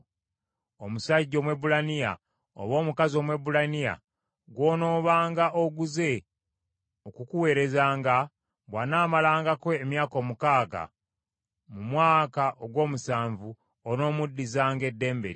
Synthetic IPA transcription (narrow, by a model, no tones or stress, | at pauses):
omusaɟːo̞ːmwe̞bulanija̰ | o̰βo̞ːmukazio̞ːmwe̞bulanija̰ | ɡwoːno̞ːβaːŋɡaʔoɡuze̞ | okukuwe̞ːɾe̞zaːŋɡa | ɡwanaːmalaːŋɡakwe̞ːmjaːko̞ːmukaːɡa̰ | mumwaːkaʔoɡwo̞ːmusaːɱvu | ono̞ːmudːizaːŋɡe̞dːe̞ːmbe̞̰ɾi